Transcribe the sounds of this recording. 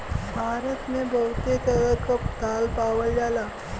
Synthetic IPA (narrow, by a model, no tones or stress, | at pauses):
bʱaɾət̪nebʱəwt̪et̪əɾət̪kəpt̪alpaʋəljala